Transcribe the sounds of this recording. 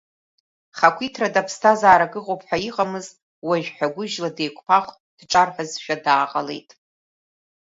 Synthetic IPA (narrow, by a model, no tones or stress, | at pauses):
χakʷʰitʰradapʰstʰazaːɾaɡɨqʼopʰʼħʷᶣaiqʼamɨz | waʒᶣħᶣaɡʷʊʒladejkʷʰʼpʰaχʷtʼd̥ʈ͡ʂʼarħʷazʃᶣadaːqʼale̞jtʼ